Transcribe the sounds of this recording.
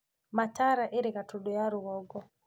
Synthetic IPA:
mataɾaʔeɾekatuɗɔjaɾuɣɔɡɔ

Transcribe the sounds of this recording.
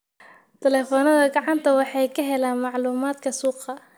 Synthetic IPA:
t̪ʰɛlɛːfɔːnɐðɐɡɑʕɑnt̪ʰɐwɑħɑjkʰɐɦɛlaːnmɑʕluːmaːd̪kʰɐsuːqɑ

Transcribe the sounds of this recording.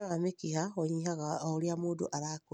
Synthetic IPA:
amekihaxoɲihaɣaoliamuːdṵʔaɾaku

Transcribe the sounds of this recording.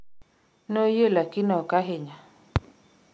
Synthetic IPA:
nojelakɪnɔkaɦɪɲa

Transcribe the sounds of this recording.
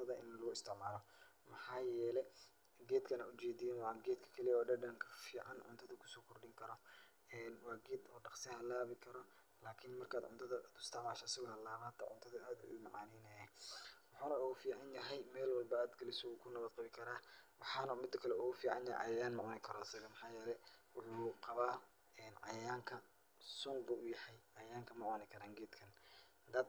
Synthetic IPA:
t̪ʰɐðɐʔɪ̰nlɐɣʊɪst̪ʰɪʕmaːlɔ | mɑħɑːjɛːlɛ | ɡɛːd̪kʰɐnɐʊt͡ʃɛːðijɐnwɑʕɡɛːd̪kʰɐ̥kʰɐlijɔːɖɐɖɐŋkʰɐ̥fiːʕɑnʕʊ̰nt̪ʰɐðɐkʰʊ̥sɔːkʰɔrɖɪŋkʰɐɾɔ | ɛːnwɑːɡɛːd̪ɔːɖɑqsɪhɐlaːβɪkʰɐɾɔ | laːkʰɪnmɐrkʰaːd̪ʕʊ̰nt̪ʰɐðɐd̪ʊst̪ʰɪʕmaːʃɐasɐɣɔhɐlaːβaːt̪ʰɐʕʊ̰nt̪ʰɐðɐaːd̪ʊmɑʕɑ̰ːniːnɛːjɛwʊħuːnɐuːɣʊfiːʕɑnjɐɦɛjmɛːlwɑlbɐaːd̪ɡɐlɪsɔuːkʰʊnɐβɐd̪̚qɑβɪkʰɐɾaːwɑħɑːnɐmɪd̪ːɐkʰɐlɛuːɣʊfiːʕɑ̰njɐɛ̰ʕɑ̰jjaːnmɑʕɔːnɪkʰɐɾɔasɐɣɐmɑħɑːjɛːlɛjwʊħuːqɑβaː | ɛːnʕɑ̰jaːŋkʰɐ | sʊŋɡɐʔʊjɐħɛjʕɑjaːŋkʰɐmɑʕɔnɪkʰɐɾaːŋɡɛːd̪kʰɐn | d̪ɐd̪

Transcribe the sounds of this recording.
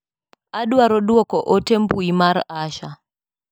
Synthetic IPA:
aɗwaɾɔɗuɔkɔʔɔtɛmpuimaɾaʃa

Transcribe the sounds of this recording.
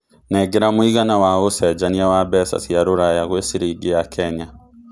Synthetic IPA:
nɛɡɛɾamwiɣanawaosɛd͡ʒaniawabɛsa̰siaɾoɾajaɣwesiɾiɡijakʰɛɲa

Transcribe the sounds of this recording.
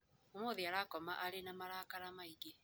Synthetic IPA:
omoðiaɾaːkɔma̰ʔaɾenamaɾaːkaɾamaiɡe

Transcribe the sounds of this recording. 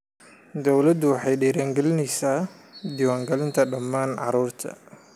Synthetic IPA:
d̪ɔwlɐd̪ʊwɑħɑjɖɛːɾaːŋɡɛlɪnɛjsaː | d̪ɪwaːŋɡɐlɪnt̪ʰɐɖɐmːaːnʕɑ̰ɾuːrt̪ʰɐ̰

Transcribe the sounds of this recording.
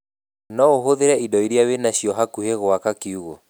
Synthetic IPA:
nɔoɦoðeɾɛidɔiɾiawenaɕiɔɦakuheɣoakakiuɣo

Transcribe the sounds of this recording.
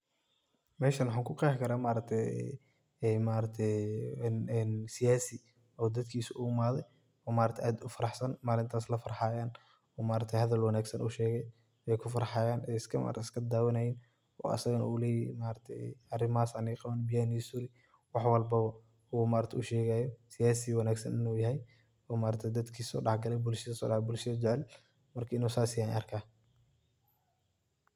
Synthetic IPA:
mɛːʃɐnwħaːŋkʰʊqɛːħkʰɐɾaːmaːɾɐɡ̚t̪ʰɛj̰ | ɛjmaːɾɐt̪ʰɛjnːnsɪjaːsɪ | ɔːd̪ɐd̪kʰiːsʊʔʊʊmaːðɛj | ɔːmaːɾɐt̪ʰɛʔaːd̪ʊfɐɾɑħsɐnmaːlɪnt̪ʰaːslɐfɐɾɑħɑːjaːn | ɔːmaːɾɐt̪ʰɛjhɐðɐlwɐnaːɡsɐnʔʊʃɛːɣɛj | ɛjkʰʊfɐɾɑħaːjaːnɛjɪskʰɐma̰ːɾɐt̪ʰɛɪskʰɐd̪aːwɐnɐjin | ɔ̰ːʔɐ̰sɐɣɐnulɛːjmaːɾɐt̪ʰɛ̰jɐrɪmaːsɐniqɑβɐnbɪjaːnisuːɾɪ | wɑħwɐlbɐβɐ | uːmaːɾɐt̪ʰɛʊʃɛːɣaːjɔsɪjaːsiwɐnaːɡsɐ̰nɪnuːjɐɦɛj | ɔːmaːɾɐt̪ʰɛjd̪ɐd̪kʰiːsɔ̰ːɖɑħɡɐlɛjbʊlʃɐðɐsɔ̰ːɖɑħbʊlʃɐðɐd͡ʒɛʕɛl | mɐrkʰɐɪnuːsaːsɪjaːnɐ̰rkʰaː

